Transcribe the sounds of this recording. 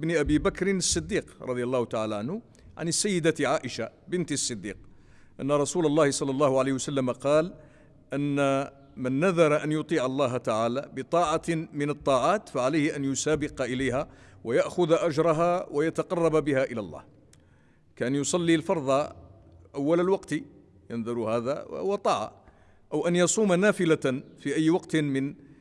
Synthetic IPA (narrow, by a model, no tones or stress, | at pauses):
bniʔæbibakɾɪnəsˤːɨd̪ːiːqɾˤɑ̰d̪ˤjɑlˤːɑːhʊt̪aʕaːlaʕanhʊ | ʕa̰nsːəjːəd̪aʕaːʔəʃabənt̪sˤːɨd̪ːḭq̚ | ʔə̰nːaɾˤɑsuːlɑlˤːɑːhɪsˤɑlːɑlˤːɑːhʊʕaliːhwsalːæmaqɑːl | ʔənːa | mənːaðɑɾˤɑʔænjʊt̪ˤiːʕɑlˤːɑːɦt̪aʕaːlabət̪ˤɑːʕɑmɪnɑt̪ˤːɑːʕaːt̪faʕalajhɪʔænjʊsaːbɪqɑʔɪlajhawajaʔxʊðʔad͡ʒɾˤɑɦawʔajɑt̪ɑqɑrˤːɑbbɪhæʔɪlæ̰lˤːɑ̰ːh | kaʔanjʊsˤɑlːilfɑɾˤd̪ˤɑ | ʔawːalalwɑqt̪ | jənðˤʊɾhæːða̰wɑt̪ˤɑːʕɑ̰ | ʔəwʔanjɑsˤuːmanaːfɪlafiʔæjːwɑqt̪mɪn